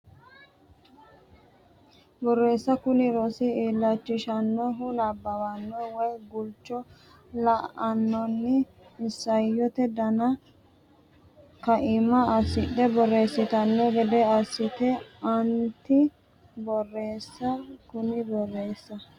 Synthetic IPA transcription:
bɔrːe̞ːsːɐkʊnɪɾɔsɪiːlːɐt͡ʃːɪʃɐnːɔɦʊnɐbːɐwɐnːɔwɔjɡʊlt͡ʃːɔ | lɐʔɐnːɔnːɪː | sːɐjɔt̪ɛd̪ɐnɐ | kɐʔɪmɐɐsːɪɗɛbɔrːe̞ːsːɪt̪ɐnːɔɡɛd̪ɛɐsːɪt̪ɛɐnt̪ɪ | bɔrːe̞ːsːɐkʊnɪbɔrːe̞ːsːɐ

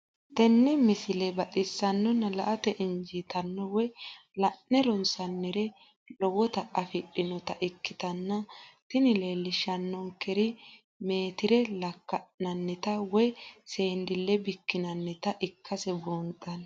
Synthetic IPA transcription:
t̪ɛnːɛmɪsɪlɛbɐt̪ʼɪsːɐnːɔnɐlɐʔɐt̪ɛʔɪnd͡ʒit̪ɐnːɔwɔjlɐnnɛɾɔnsɐnːɛɾɛ | lɔwɔt̪ɐʔɐfɪɗɪnɔt̪ɐʔɪkːɪt̪ɐnːɐt̪ɪnɪle̞ːlːɪʃɐnːɔŋkɛɾɪ | me̞ːt̪ɪɾɛlɐkːɐnɐnːɛt̪ɐwɔjse̞ːnd̪ɪlːɛbɪkːɪnɐnːɛt̪ɐʔɪkʰːɐsɛbont̪ʼːɐn

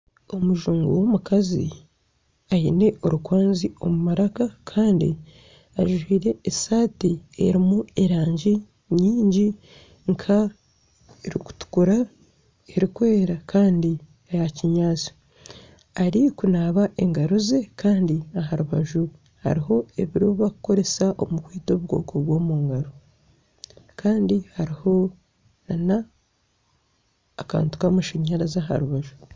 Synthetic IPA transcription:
o̞muʒuːŋɡowomukazḭ | ajine̞ʔo̞ɾukwaːnzio̞mumaɾakakʰaːndḭ | aʒwiːɾe̞ːsaːtie̞̰ɾimue̞ɾaːɲɟi | ɲɲiːɲɟi | ŋkʰa | eɾiku̥tu̥kuɾa | eɾikwe̞ːɾakʰaːndi | ajaciɲaːt͡so̥ | aɾikunaːβaʔeŋɡaɾuze̞kaːndiaɦaɾuβaʒu | ha̰ɾiɦo̞e̞βiɾuβakuko̞ɾe̞saʔo̰mukwiːto̞ːβuɡo̞̰ːkʰoβwo̞ːmuŋɡaɾo | kʰaːndihaɾiho̞ | nana | ka̰ːntu̥kamaʃiɲaɾazaɦa̰ɾuβaʒu

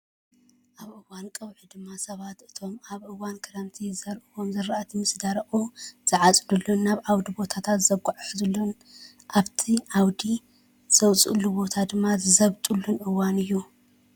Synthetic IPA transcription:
ʔaβɨwankʼɨwʕid̪ɨmːasɐβat̪ɨt̪ʰo̞maβʔɨwankʰɐɾɐmt̪ʰizɐɾʔɨwo̞mzɨɾaʔat̪ʰimɨsd̪aɾʔuz̥ɨʕat͡sʼd̪ulːunːaβʔawd̪ibo̞t̪ʰat̪ʰat̪zɐɡuʕħzɐlːun | ʔaβt̪ʰiʔawd̪i | z̥ɐwt͡sʼṵlːubo̞t̪ʰad̪ɨmːazɨzɐβt̪ʼulːunʔɨwanɨjːu

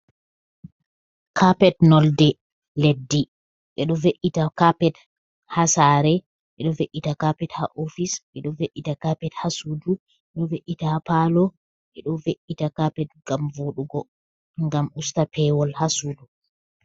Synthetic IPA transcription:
kʰapɛtnɔldɛ | ledːi | ɓɛɗɔveʔːitakapɛt | hasaɾɛ | ɓɛɗɔveʔitakapɛtha̰ʔofisɓɛɗɔveʔːitakapɛthasuːdu | ɓɛɗɔveʔːitahapalɔ | ɓɛɗɔveʔitakapɛt̚ɡamvoɗuɡɔ | ŋɡamʔustapʰɛwɔlhasuːdu

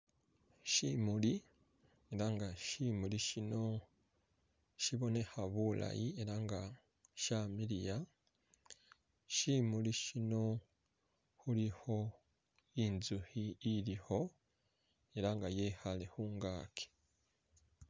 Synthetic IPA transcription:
ʃimuli | eɾaŋɡaʃimuliʃino̞ | ʃiβo̞ne̞haβula̰jie̞ɾaŋɡa | ʃamiɾija | ʃimuliʃino̞ | huliho̞ | inzuhiːɾiho̞ | e̞ɾaŋɡajehalehuːŋɡaːkʰe̥

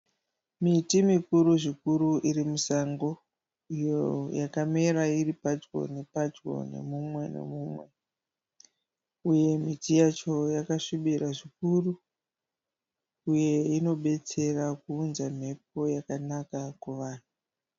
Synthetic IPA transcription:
mitimikuɾuʐikuɾuʔiɾimusaŋɡo̞ | ijojakame̞ɾairipad͡ʒɡo̞̰nepad͡ʒɡo̞̰ne̞̰mumwe̞ne̞̰muːmwe̞ | uje̞m̤itijat͡ʃo̞jakaʂiɓiɾaʐik̚uru | uje̞ino̞ɓe̞t͡se̞rakuːnzam̤e̞p̚o̞jakanakakuʋaːn̤u

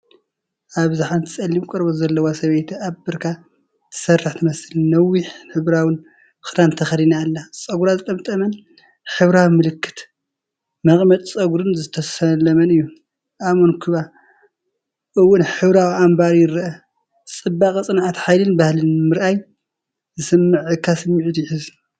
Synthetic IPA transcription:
ʔaβzaħant̪ʰɨsʼɐlːimkʼɨɾbozɐlːɐwasɐβejt̪ʰabɨɾkʰa | t̪ʰɨ̥sɐrːɨħt̪ʰɨmɐsɨlnɐwiħħɨβɾawɨn | ɨxɨd̪ant̪ʰɐxɐlinaːlːat͡sʼɐɡuɾazɨt̪ʼɐmt̪ʼɐmɐn | ħɨβɾawimɨlɨkːɨ̥t̪ | mɐχʼmɐt̪ʼt͡sʼɐɡuɾɨnzɨt̪ʰɐsɐlɐmɐnɨjːu | ʔamonkʰɨβa | ʔɨwːʊnħɨβɾawiʔambaɾjɪɾʔɐ | t͡sʼɨbːakʼt͡sʼɨnʕat̪ħajlɨnbahlɨnmɨɾʔaj | zɨsɨmːɨʕɨkʰːasɨmːʕit̪jɪħɨz

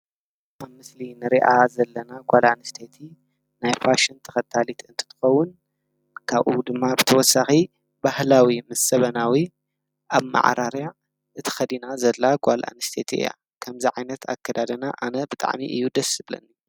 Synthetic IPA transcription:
ʔaβmɨslinɨɾiʔazɐlːɐnaɡʷalanɨst̪ʰet̪ʰi | najfaʃɐnt̪ʰɐ̥xɐt̪ʰːalit̪ʰɨnt̪ʰɨ̥t̪ʰɨ̥xɐwːʊn | kʰaβʔud̪ɨmːabɨt̪ʰɐwɔsːaxi | bahlawimɐsɐβɐnawi | ʔaβma̰ʕ̰ɾaɾja | ʔɨt̪ʰɐ̥xɐd̪inazɐlːaɡʷala̰nɨst̪ʰet̪ʰiɨ̰ja̰ | kʰɐmziʕajnɐt̪ʰa̰kʰːɐd̪ad̪ɐnaʔanɐbɨt̪ʼa̰ʕmḭʔɨ̰jːud̪ɐsɨblɐ̰nːi

